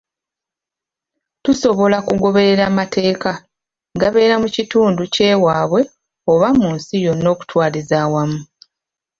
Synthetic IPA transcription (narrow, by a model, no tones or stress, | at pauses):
tuso̞βo̞lakuɡo̞βe̞ɾe̞ɾaːmate̞ːka | ŋɡaβe̞ːɾamucituːnduce̞ːwaːβwe̞ | o̞βamunsijo̞no̞ːku̥twaːlizaːwamu